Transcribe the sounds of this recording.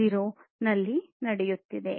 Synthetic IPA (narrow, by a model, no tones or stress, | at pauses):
iɾonɐlːinɐɽejut̪ːid̪e̞̰